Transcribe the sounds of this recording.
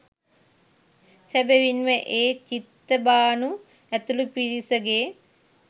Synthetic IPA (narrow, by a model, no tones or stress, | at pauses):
sæbeʋinʋəʔeːt͡ʃit̪ːəbaːnu | æt̪ulupiɾisəɡeː